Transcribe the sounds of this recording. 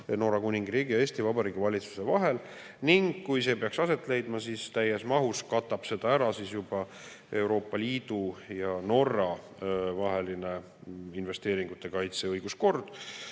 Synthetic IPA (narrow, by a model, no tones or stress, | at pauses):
no̞ːɾɑkunʲiŋɡriːɡ̥ijɑeːst̪ivɑbɑɾiːɡivɑlʲit̪su̥se̞vɑɦe̞l | niŋɡkujse̞ːpe̞ɑksɑse̞t̪ːˑle̞jd̪mɑsist̪æjesmɑɦuskɑt̪ːˑɑb̥se̞d̪̥ɑæɾɑsisjub̥ɑ | e̞uwɾo̞ːpːˑɑlʲiːd̪̥ujɑno̞rːɑ | vɑɦe̞line̞ | inve̞st̪e̞ːɾiŋɡ̥ut̪ːˑe̞kɑjt̪seɤjɡ̥usko̞rd̪̥